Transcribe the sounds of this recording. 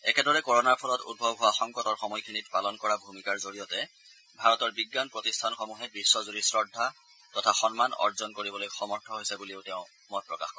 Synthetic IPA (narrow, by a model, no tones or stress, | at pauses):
ɛ̰kɛdɔɹɛkɔɹɔnaɹpʰɔlɔtṵd̚bʱɔbɦʊwaxɔŋkɔtɔɹxɔmɔjkʰinitpalɔnkɔɹabʱumikaɹzoɹijɔtɛ | bʱaɹɔtɔɹbiɡːanpɹɔtistʰanxɔmuɦɛbɹisːɔzuɹisɹɔdʱːa | tɔtʰaxɔnmanɔ̰ɹzɔnkoɹibɔlojxɔmɔɹtʰɔɦojsɛbuliʊtɛʊ̃ | mɔt̚pɹɔkaxkɔ